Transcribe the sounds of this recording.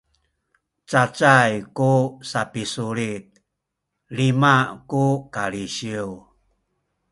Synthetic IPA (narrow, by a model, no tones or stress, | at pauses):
t͡sat͡sajkusapisuɾit̪̚ | limakukaliɕiw